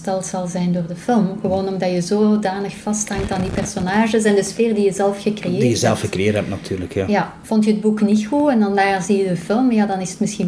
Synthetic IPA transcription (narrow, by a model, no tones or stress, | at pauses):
tɛlˠtsɑlˠzɛjndoːrdəfɪlmɣəʋoːnɔmdɑjəzoːdaːnəxfɑsthɑŋtaːndipɛrsonaːʒəs̬ɛndəsfeːrdijəzɛlˠfɣəkrejeːdijəzɛlˠfxəkrejeːtɦɛp̚tnatʰyːrləkjaja | v̥ɔntjəəd̚buknixuɛndɑndaːrzijədəfɪlˠmjaːdɑnɪsə̥tmɪsxi